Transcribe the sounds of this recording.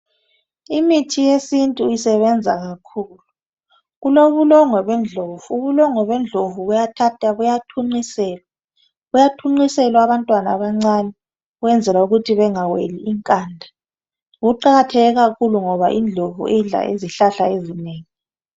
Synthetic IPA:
imitʰijesintʼuisɛβɛnd͡zʱaɣakʰuːlu | ɣuloβulɔŋɔβɛnd͡ɮʱovuuβulɔŋɔβɛnd͡ɮʱovuɣujatʰatʰʼaβujatʰuŋ͡ǀisɛːla | βujatʰuŋ͡ǀisɛlwaβantʼwanaːβaŋ͡ǀanɛ | ɣwɛnd͡zʱɛlauɣutʰiβɛŋawḛliːŋkʼaːndʱa | ɣuǃaɣatʰɛɣɛɣakʰuluŋɔβaʔiːnd͡ɮʱovṵʔeɮa̰ʔḛziɬaɬaezineːŋi

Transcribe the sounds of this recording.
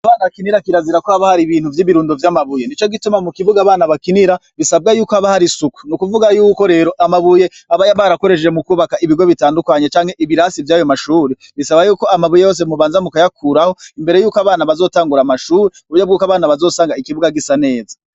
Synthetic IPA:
aβaːnaβakiniɾakiɾaziɾako̞haβahaɾiβiːn̥huvjiːβiɾuːndovjaːmaβuje̞nit͡ʃo̞ɡitumamukiβuɡaːβaːnaβakiniɾaβisab̚ɡajuːkohaβahaɾisuku̥nukuvuɡajuːko̞ɾe̞ːɾo̞ʔamaβuje̞ | aβajaβaɾako̞ɾeʃd͡ʒemukuːβakaiβiɡo̞βitaːndukaɲet͡ʃaːŋhe̞ʔiβiɾaːsivjaːjomaʃuːɾe | βisaβajuːko̞amaβujejo̞ːs̬e̞muβaːnzamukajakʰuɾaho̞imbe̞ɾe̞juːkoaβaːnaβazo̞ːtaːŋɡuɾamaʃuːɾeuβuɾjobɡuːkaβaːnaβazo̞ːsaːŋɡaikiβuɡaɡisane̞ːza

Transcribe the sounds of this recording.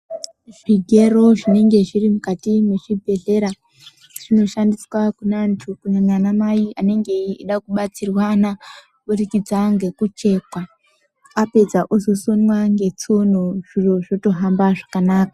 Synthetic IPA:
ʐiɡʱe̞ro̞ʐine̞ŋɡe̞ʐirimukatimweʐibʱe̞ɮe̞ɾa | ʐ̥ino̞ʃandiswakunantʰukunananamaiane̞ŋɡe̞iɗakuɓat͡sirwana | ɓurikid͡zaŋɡe̞kut͡ʃe̞ːkwa | ape̞d͡zaʔozo̞so̞nwaŋɡe̞t͡sonoʐ̥iroʐo̞to̞ɦambaʐakanaːka

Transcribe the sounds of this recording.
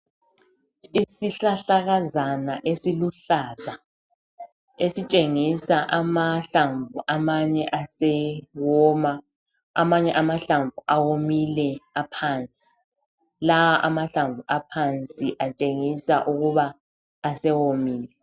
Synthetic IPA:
isiɬaɬaɣazanaʔesiluɬaːza | esit͡ʃʼeŋisaʔamaɬaɱvuʔamaɲɛʔasɛwɔːma | a̰maɲɛʔamaɬaɱvuʔawomilɛapʰant͡sʼi̥ | lawaʔamaɬaɱvuʔapʰant͡sʼiʔat͡ʃʼeŋisaʔuɣuβaː | sɛwomiːlɛ

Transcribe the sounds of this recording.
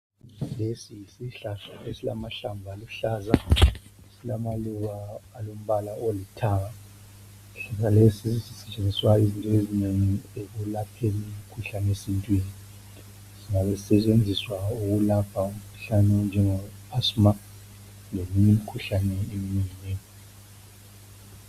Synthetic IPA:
lesisiɬasaesilamaɬambʱaluɬaːzaesilamaluɣaːlom̩βalaolitʰaɣa | ɬas̬alesisisisɛt͡ʃʼend͡zʱiswaizintʼɔezineŋiek̬ulapʰeliimikʰuɬanɛesintʼweni | ziŋaβɛzisɛt͡ʃʼend͡zʱiswauɣulapʰaum̩kʰu̥ɬanɛnd͡ʒʱɛŋɔasma | ŋemiɲimikʰuɬanɛeminiŋiɲeː

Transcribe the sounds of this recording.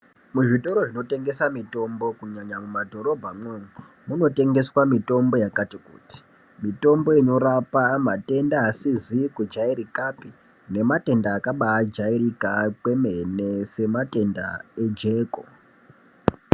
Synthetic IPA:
muʐito̞ɾo̞ʐino̞te̞ŋɡe̞samito̞mbo̞kuɲaɲamumadʱo̞ɾo̞bʱamwei | muno̞te̞ŋɡe̞swamito̞mbo̞jakatikṵːti̥ | mito̞mbo̞ino̞ɾapamate̞ndaːsizikud͡ʒaiɾikapi | ne̞mate̞ndaːkaɓaːd͡ʒaiɾikakwe̞me̞ne̞se̞mate̞nda̰e̞d͡ʒe̞ːko̰

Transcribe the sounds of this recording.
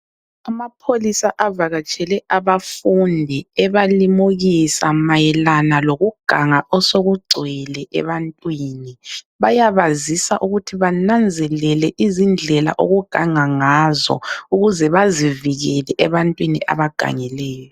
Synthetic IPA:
amapʰolisaʔavaɣat͡ʃʼɛlɛʔaβafundʱiɛβalimuɣisamajɛlanaloɣuɡ̥ʱaŋaɔsoɣuɡ͡ǀʱwɛlɛʔɛ̰βantʼwiːni | βajaβazisaʔuɣutʰiβanand͡zʱɛlɛlɛʔizind͡ɮʱɛla̰ʔoɣuɡ̥ʱaŋaŋazɔ̰uɣuzɛβaziviɣɛlɛʔɛβantʼwiniʔa̰βaɡ̥ʱa̰ŋɛlɛːjjɔ

